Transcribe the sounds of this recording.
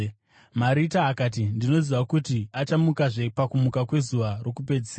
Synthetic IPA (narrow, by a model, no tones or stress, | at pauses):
maɾitaːkaːt̬indino̞ziʋakutiat͡ʃamukaʐe̞pakumukakwe̞zuʋaro̞kupe̞d͡ziseːaa